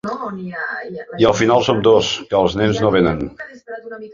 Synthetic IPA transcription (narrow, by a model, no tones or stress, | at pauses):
iəlˠfinalˠsomd̪oskəːlˠznɛnznoβenən